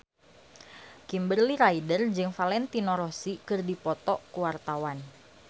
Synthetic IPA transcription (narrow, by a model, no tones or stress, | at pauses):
kimbərliɾaidərd͡ʒɨŋfalɛnt̪inɔɾɔsikɨrdipɔt̪ɔʔkuwart̪awan